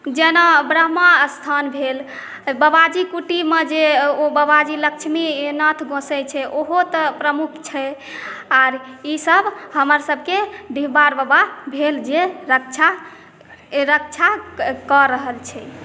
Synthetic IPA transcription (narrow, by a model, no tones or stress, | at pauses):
d͡ʒenabɾəɦmast̪ʰanbʱel | bəbad͡ʒikuʈimed͡ʒeobəbad͡ʒiləkt͡ʃʰminət̪ʰɡõsɛt͡ʃʰɛʔoɦot̪əpɾəmukʰt͡ʃʰɛ | aɾisəbʱɦəməɾsəbʱkeɖibaɾbəbabʱeld͡ʒeɾəkt͡ʃʰa | ɾək̚t͡ʃʰakɔɾəɦəlt͡ʃʰɛ